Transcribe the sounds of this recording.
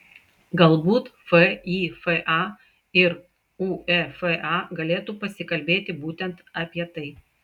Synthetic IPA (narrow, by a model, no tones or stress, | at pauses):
ɡɐlˠbuːt̪fɛiːfɛʔɑ | ɪɾ | uːɛfɛʔɑːɡɐlʲeːt̪uːpɐsʲɪkɐlʲbʲeːt̪ʲɪbuːt̪ʲɛnt̪ɑːpʲiɛt̪ɐɪ